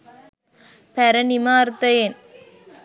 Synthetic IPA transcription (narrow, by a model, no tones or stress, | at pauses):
pɐɾɐnɪmaːɾt̪ːɐjeːn